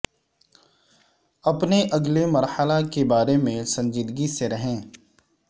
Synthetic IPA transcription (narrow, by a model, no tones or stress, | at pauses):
ɐpneʔɐɡlemɐɾhəlakebaːɾemẽsɐ̃ɲd͡ʒiːd̪ɡiseɾɐɦẽː